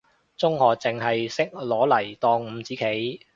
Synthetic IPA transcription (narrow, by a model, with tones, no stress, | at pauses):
t͡sʊ˥ŋhɔː˨k̚t͡sɪ˨˩ŋɦɐ˨jsɪ˥k̚lɔː˨˥lɐ˨˩jt̪ɔː˧ŋm̩ː˨˧t͡siː˨˥kʰe˨˥j